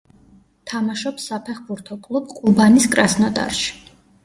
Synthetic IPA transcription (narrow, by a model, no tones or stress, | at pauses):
t̪ʰamaʃɔpsːapʰɛχbuɾt̪ʰɔkʼlˠubqʼubaniskʼɾasnɔt̪ʼa̰ɾʃi̥